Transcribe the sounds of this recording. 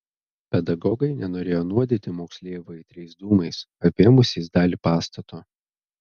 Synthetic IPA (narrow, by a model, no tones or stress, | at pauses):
pʲɛd̪ɐɡɔːɡɐɪnʲɛnoːɾʲeːjoːnuɔd̪ʲeːt̪ʲɪmoːksʲlʲeːjʋɐɪt̪ʲɾʲɛɪsd̪uːmɐɪsɐpʲeːmʊsʲɛɪzd̪ɑːlʲipɑːst̪ɐt̪oː